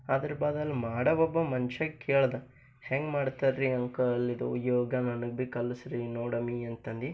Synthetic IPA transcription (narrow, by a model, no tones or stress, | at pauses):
ad̪ɐɾɐbaːd̪ɐlːimaːɽɐʋɔbːɐmɐnt͡ʃɐkeːɭd̪ɐ | heŋɡmaːɖt̪ɐɾɾiɐŋkɐɐlːid̪ṵṵjoːɡɐnɐnɐɡ̚bikɐlːɐsɾinoːɽɐmiɐnt̪ɐnd̪i